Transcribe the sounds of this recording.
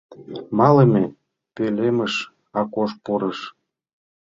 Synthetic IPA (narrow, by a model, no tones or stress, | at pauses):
mɑləmʲe | peleməʃ | ɑkoʃpuɾə̆ʃ